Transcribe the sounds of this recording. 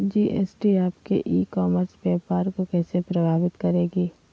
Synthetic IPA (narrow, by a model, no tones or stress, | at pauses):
d͡ʒiːʔeːsʈiaːpkḛʔiːkɔːməɾsbɛːpaːɾkokɛːsepɾɐbʱaːʋɪt̪kɐɾeːɡiː